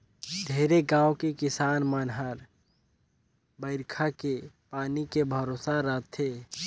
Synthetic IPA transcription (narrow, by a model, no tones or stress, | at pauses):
d̪ʱeːɾeɡãːwkekɪsaːnmənɦəɾ | bəɪɾkʰake | paːnikebʱəɾoːsaɾət̪ʰeː